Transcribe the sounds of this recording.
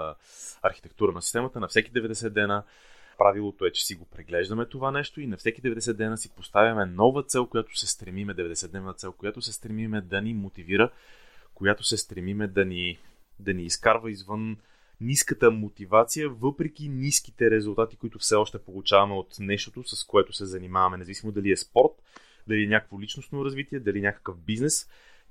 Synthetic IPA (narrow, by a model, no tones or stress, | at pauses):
ɐɾxi̥t̪ɛk̚t̪uɾənɐsist̪ɛmət̪ənɐfsɛkid̪ɛvɛd̪ɛsɛd̪ːɛnə | pɾavilˠot̪oɛt͡ʃɛ̥siɡopɾɛɡlɛʒd̪əmɛt̪ovanɛʃt̪oinɐfsɛkid̪ɛvɛd̪ɛsɛd̪ːɛnasipost̪avʲɐmɛnɔvət̪sɛlˠkojat̪o̥sɛst̪ɾɛmimɛd̪ɛvɛd̪ɛsɛt̪ːɛvnət̪sɛlˠkojat̪osɛst̪ɾɛmimɛd̪ɐnimot̪iviɾəkojat̪osɛst̪ɾɛmimɛd̪ɐni | d̪ɐniːskaɾvəizvɤnː | iskət̪əmot̪ivat̪sijəvɤpɾɛk̟inisk̟i̥t̪ɛɾɛzʊlˠt̪at̪ikoit̪ʊfsɛɔʃt̪ɛpolˠut͡ʃavɐmɛot̪nɛʃt̪ot̪osɐskoɛt̪ʊsɛzɐnimavɐmɛnɛzɐvisimod̪ɐliɛspɔɾt̪ | d̪ɐliɛnʲakə̥kvolit͡ʃnosnoɾɐzvit̪iɛd̪ɐliɛnʲakə̥kəfbiznɛs